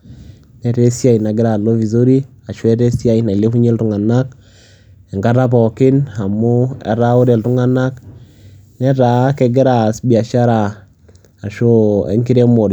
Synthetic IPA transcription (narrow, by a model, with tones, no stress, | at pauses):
nɛ˦te˦si˦a˦i˨na˨ɡɪ˦ɾa˨lo˦vi˨zo˦ɾi˦ | a˨ʃwɛ˦te˦si˦a˦i˨na˨i˨le˦ku˦ɲe˦ltu˨ŋa˨na˦k̚ | ɛ˨ŋɡa˦ɾa˦p̬ɔ˨kɪ˦na˨mʊ˦ɛ̰˨ɾa˦ʊ˦ɾe˨ltu˦ŋa˦na˦k | nɛ˦ta˨˦ke˨ɡɪ˦ɾa˨sbi˨a˨ʃa˦ɾa˨ | a˨ʃo˦ḛ˦ŋki˦ɾe˦mo˨ɾ